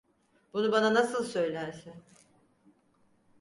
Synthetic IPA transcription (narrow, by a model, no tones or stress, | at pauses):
b̥unubananasɯlˠsø̞jlʲæɾsɪn